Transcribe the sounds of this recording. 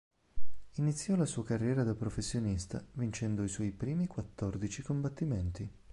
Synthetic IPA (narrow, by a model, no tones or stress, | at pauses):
init̪sːjɔlasuːakarːjɛːɾad̪apɾofesːjonist̪a̰vint͡ʃɛnd̪oiswɔjpɾiːmikwat̪ːɔrd̪it͡ʃikombat̪ːimɛnt̪i